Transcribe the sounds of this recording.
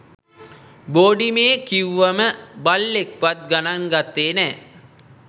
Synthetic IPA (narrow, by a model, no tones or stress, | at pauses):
boːɖimeːkiwʋaməbalːek̚ʋat̪̚ɡanaŋɡat̪ːeːnɛː